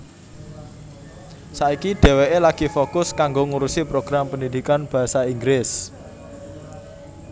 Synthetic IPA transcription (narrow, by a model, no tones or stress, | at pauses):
saikiɖ̪̥ɛ̤weʔelaɡ̥ifokʊskaŋɡoŋuɾusipɾoɡ̥ɾampənid̪̥ikanb̥a̤ɦasaiŋɡɾɪs